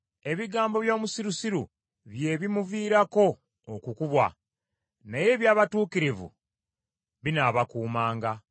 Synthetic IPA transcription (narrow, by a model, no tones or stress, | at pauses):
e̞βiɡaːmbo̞βjo̞ːmusiɾusiɾṵ | βje̞ːβimuviːɾako̞ː | kukuβwa | naje̞ːβjaːβatuːkiɾivṵ | βinaβakuːmaːŋɡa